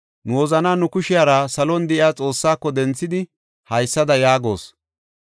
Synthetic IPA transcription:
nʊwɔzɐnaːnʊkʊʃɪjaːɾasɐlɔnd̪ɛʔɪjaːt͡sʼo̞ːsːaːkːɔd̪ɛnt͡sːɪd̪ɪ | hɐjsːɐd̪ɐjaːɡo̞̰ːs

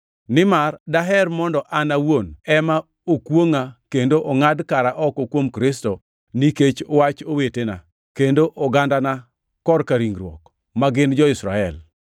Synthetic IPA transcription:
nɪmardaɦɛrmɔndɔʔanawonɛma | okwoŋakendoʔoŋadkaɾaʔɔkɔkwomkɾɪsto | niket͡ʃowat͡ʃowetena̰ | kendoʔɔɡandana | kɔrkaɾiŋɾwɔ̰k | maɡɪnd͡ʒɔɪsɾaɛl

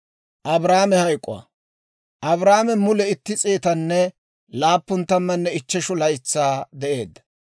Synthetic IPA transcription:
ʔɐbɾaːmɛhɐjkʼʊ̰wɐ̰ | ʔɐbɾaːmɛmʊlɛɪt̪ːɪt͡sʼeːt̪ɐnːɛ | laːpːʊnt̪ːɐmːɐnːɛɪt͡ʃːɛʃʊlɐjɪt͡sːaːd̪ɛʔe̞ːd̪ːɐ̥

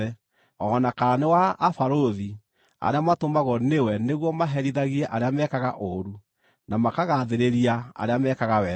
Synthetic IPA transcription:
ɛ | ɔnakanewaːfaɾoði | a̰ɾeamatomaɣɔnewɛneɣwɔmaɦɛɾiðaɣiɛʔaɾeamɛkaɣaʔoɾu | namakaɣaðeɾeɾiaa̰ɾeamɛkaɣawɛ

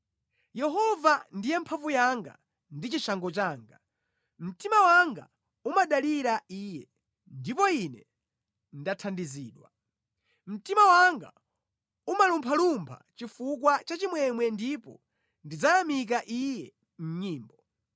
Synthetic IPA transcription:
jɛɦɔvandijɛmpʰavujaŋɡa̰ | ndit͡ʃiʃaŋɡɔt͡ʃaːŋɡa | m̩timawaŋɡa | umaɗaliɾaiːjɛ | ndipɔinɛ | ndatʰandiziːɗwa̰ | m̩timawaŋɡa̰ | umalumpʰalumpʰa̰t͡ʃifuk̬wat͡ʃat͡ʃimwɛmwɛndipɔ̰ | ndid͡zajamik̬aʔijɛ | m̩ɲiːmbɔ

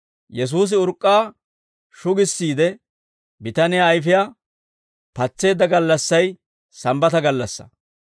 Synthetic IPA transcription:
jɛs̬uːs̬ɪʊɾkʼːaː | ʃʊɡɪsːiːd̪ɛ | bɪt̪ɐnɪjaːjfɪja | pɐt͡sːe̞ːd̪ɐɡɐlːɐsːɐj | sɐmbɐt̪ɐɡɐlːɐsːɐ̥̰

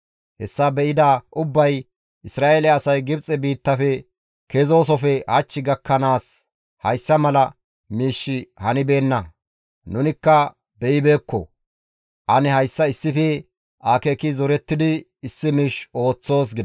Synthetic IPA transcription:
hɛsːaːbɛʔɪd̪aʔʊbːɐj | ʔɪsɾaːʔeːlɛɐsɐjɡɪbt͡sʼɛbiːt̪ːɐfɛ | kezo̞ːs̬ɔfɛhɐt͡ʃːɪɡɐkːɐnaːs | hɐjsːɐmɐlɐ | miːʃːɪhɐnɪbe̞ːnːɐ | nʊnɪkːɐ | bɛʔɪbeːkːɔ̰ | ʔɐnɛhɐjsːɐɪsːɪfɛ | ʔaːkeːkɪzɔɾɛt̪ːɪd̪ɪ | ɪsːɪmiːʃo̞ːt͡sːo̞ːs̬ɡɪd̪ɐ

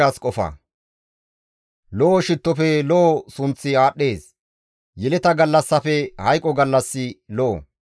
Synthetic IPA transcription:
aːskʼɔfɐ̰ | lɔʔːʃɪt̪ːɔfɛlɔʔːsʊnt͡sːɪaːɗːe̞ːs | jɛlɛt̪ɐɡɐlːɐsːɐfɛhɐjkʼɔɡɐlːɐsːɪlɔʔɔ

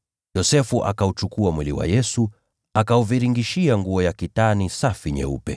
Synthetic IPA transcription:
jɔsɛfuʔa̰kaut͡ʃukuamwiliwa̰jɛsu | akauviɾiŋɡiʃiaŋɡuɔjakitanisafiɲɛ̰ṵpɛ

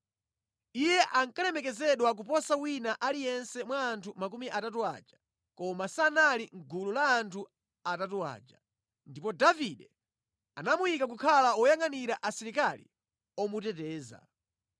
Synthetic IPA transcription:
ijɛʔaŋkalɛmɛkɛzɛɗwak̬upɔsawinaʔalijɛnsɛmwaːntʰumak̬umiʔatatua̰ːd͡ʒa | kɔmasanaliŋ̩ɡululaːntʰu | atatua̰ːd͡ʒa | ndipɔdaviɗɛ | anamujikak̬ukʰalaɔjaŋaniɾaʔasiɾikalḭ | ɔmut̬ɛtɛːza̰

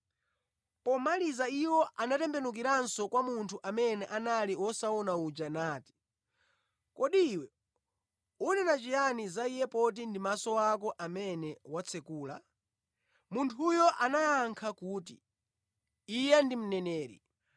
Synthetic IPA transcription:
pɔmalizaiwɔʔanatɛmbɛnukiɾansɔkwamuntʰuʔamɛnɛʔanaliwɔsaɔnaud͡ʒanaːti̥ | kɔɗiːwɛ | unɛnat͡ʃijanizaijɛpɔt̬indimasɔakɔʔamɛnɛwat͡sʰɛkuːla | muntʰujɔʔanajaŋkʰakuːtḭ | ijɛndim̩nɛnɛːɾḭ

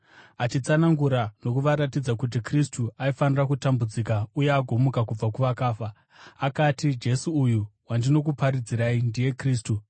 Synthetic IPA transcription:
at͡ʃit͡sanaŋɡuɾanokuʋaɾatid͡zakut̬ikristuʔaifanirakutambud͡zikauje̞aɡʱo̞mukakub͡vakuʋakaːfaː | katid͡ʒe̞suːjuwandino̞k̬upaɾid͡ziɾaindije̞kriːstu

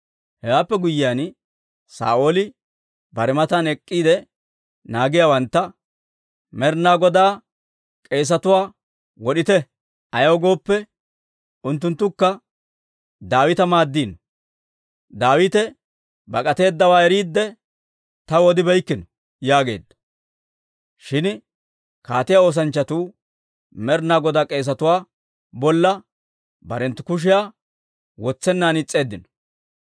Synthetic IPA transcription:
hɛwaːpːɛɡʊjɪjaːn | sa̰ːʔoːlɪ | bɐɾɛmɐt̪aːnɛkʼːiːd̪ɛ | naːɡɪjawɐnt̪ːɐ | mɛɾnaːɡɔd̪aː | kʼe̞ːs̬ɐt̪ʊwaː | wɔɗɪt̪ɛ | ɐjɐwɡo̞ːpːɛ | ʊnt̪ːʊnt̪ːʊkːɐ | d̪aːwɪt̪ɐmaːd̪ːiːnɔ | d̪aːwɪt̪ɛ | bɐkʼɐt̪e̞ːd̪ːɐwaːɛɾiːd̪ːɛ | t̪ɐwɔd̪ɪbɛjkːɪnɔ | jaːɡe̞̰ːd̪ːɐ̥ | ʃɪn | kaːt̪ɪjao̞ːs̬ɐnt͡ʃːɐt̪uː | mɛɾnaːɡɔd̪akʼe̞ːs̬ɐt̪ʊwaː | bɔlːɐ | bɐɾɛnt̪ːʊkʊʃ̬ɪjaː | wɔt͡sːɛnːaːnɪt͡sʼːe̞ːd̪ːɪnɔ̥

